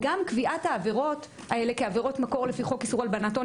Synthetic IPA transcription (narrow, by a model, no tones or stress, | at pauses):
ɡamkviʔathaːve̞ʁo̞t | aele̞keave̞ʁo̞tmako̞ʁlefiχo̞kisuʁalbanato̞